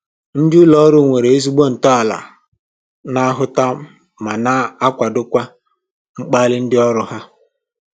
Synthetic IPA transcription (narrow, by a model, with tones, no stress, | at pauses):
n̩˦dɪ˦ʊ˦lɔ˦ɾʊ˦˨ŋʷe˨ɾe˨e˦zu˦ɡ͡bo˦n̩˨tɔ˦a˨la̰˨ | na˦ɦʊ˦ta˦m̩˦ | ma˨na˦a˦kʷa˨dʊ˦kʷa˦ | ŋ͡m̩˦k͡pa˦lɪ˦n̩˦dɪ˦ɔ˦ɾʊ˦ɦa˦